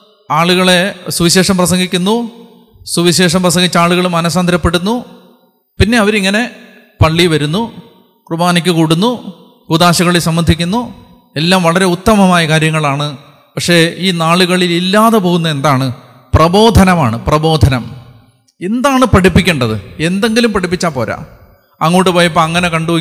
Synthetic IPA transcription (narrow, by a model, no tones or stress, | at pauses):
aːɭuɣɐɭesuʋiɕe̞ːʂɐmprɐsɐŋɡʱikʲːunːu | suʋiɕe̞ːʂɐmprɐsɐŋɡit͡ɕːaːɭuɣɐɭmɐnɐsaːnd̪ɐɾɐpːe̞ɽunːu | pinːe̞ɐʋɐɾiŋːɐne̞ | pɐɭːiʋɐɾunːu | krubaːnikʲːɨkoːɽunːu | kud̪aːɕɐɣɐɭesɐmːɐnd̪ʱikʲːunːu | e̞lːaːmʋɐɭɐɾe̞ut̪ːɐmɐmaːjɐkaːɾjɐŋːɐɭaːɳɨ | pɐkʂe̞iːnaːɭuɣɐɭililːaːðepo̞ːɣunːɐend̪aːɳɨ | prɐbo̞ːd̪ʱɐnɐmaːɳɨprɐbo̞ːd̪ʱɐnɐm | end̪aːɳɨpɐʈipːikʲːuɳɖɐðɨ̰e̞nd̪e̞ŋɡilumpɐʈʰipːit͡ɕːaːpoːɾa̰ː | ɐŋːoːʈːɨpoːjɐp̬ːoːɐŋːɐne̞kɐɳɖuo